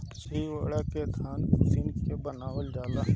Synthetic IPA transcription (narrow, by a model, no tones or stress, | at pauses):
t͡ʃiʋə̰ːɽaket̪ʰaːnzɪnkebənaːwəld͡ʒaːlaː